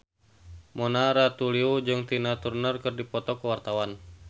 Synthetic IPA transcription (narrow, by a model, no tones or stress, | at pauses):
mɔnaɾat̪uliud͡ʒɨŋt̪inat̪urnərkɨrdipɔt̪ɔkəwart̪awan